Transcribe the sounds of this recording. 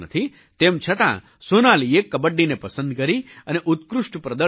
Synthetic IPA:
nət̪ʰi | t̪emt͡ʃʰət̪ã̰ | sonaliekːəbəɖːinepəsənd̪kəɾiəneʔut̪kɾuʂʈpɾəd̪ə

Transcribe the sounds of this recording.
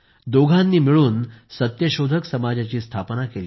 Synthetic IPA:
d̪oɡʱanːiːmiɭuːnsət̪jəɕod̪ʱəksəmad͡ʑat͡ɕiːst̪ʰapnakeliː

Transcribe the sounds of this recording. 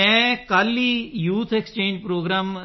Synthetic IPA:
ɛ̃ːkaːlːiːjuːt̪ʰekst͡ʃẽːɲd͡ʒpɾoːɡɾaːm

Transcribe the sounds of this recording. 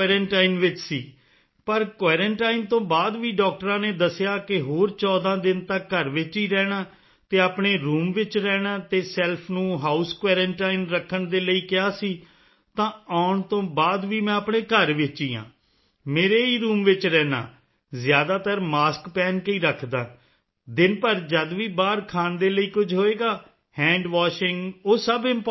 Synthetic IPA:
ɛːɾəɳʈaːinʋɪt͡ʃsiː | pəɾkʋɛːɾəɳʈaːint̪õːbaːd̪ʋiːɖɔːk̚ʈɾãːneːd̪əsɪjaːkɪɦoːɾt͡ʃɔːd̪ãːd̪ɪnt̪əkːəɾʋɪt͡ʃiːɾɛːɽaː | t̪eːaːpɳeːɾuːmʋɪt͡ʃɾɛːɽaːt̪eːsɛːlpʰnũːɦaːuskʋɛːɾəɳʈaːinɾəkʰːəɳd̪eːləiːkɪaːsiː | t̪ãːaːʊɳt̪õːbaːd̪ʋiːmɛ̃ːəpɳeːkəɾʋɪt͡ʃiːã̰ː | meːɾeːiːɾuːmʋɪt͡ʃɾɛːna̰ː | zjaːd̪aːt̪əɾmaːskpɛːnkəiːɾəkʰd̪aː | d̪ɪnpəɾd͡ʒəd̪ʋiːbaːɾkʰaːnd̪eːləiːkʊd͡ʒʱɦoːeːɡaː | hɛ̃ːɳɖʋaːʃɪŋɡoːsəbɪmp

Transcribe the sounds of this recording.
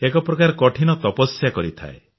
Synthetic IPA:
ekɔpɾɔkaɾɔkɔʈʰinɔt̪ɔpɔsjakɔɾit̪ʰa̰e

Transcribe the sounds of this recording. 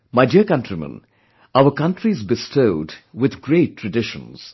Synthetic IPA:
maɪdiəkʌ̃ntɾimə̰̃n | aʊəkʌ̃nʈɾizbɪstʰoʊdwɪd̪ɡɾeːʈʰːɾəɖɪʃə̰̃nz̥

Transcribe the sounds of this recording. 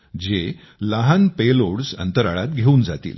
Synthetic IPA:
d͡ʑe | laɦanpeloɽsə̰nt̪əɾa̰ɭa̰t̪̚ɡʱeuːnd͡zat̪ḭːl

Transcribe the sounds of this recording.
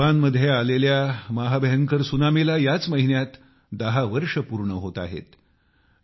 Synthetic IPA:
anməd̪ʱjealeljamaɦabʱəjəŋkəɾsunamelajat͡sməɦinjat̪ | d̪əɦaʋəɾʂəpuɾɳəɦot̪a̰ɦḛt̪

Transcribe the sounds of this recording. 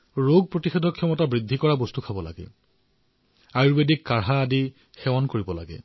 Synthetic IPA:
ɹoɡ̚pɹotixedʱɔkʰːɔmɔtabɹidʱːikɔɹabostukʰabɔla̰ɡɛ̰ | ajɹbedikːaɹɦaːdi | xɛwankoɹibɔla̰ɡɛ̰

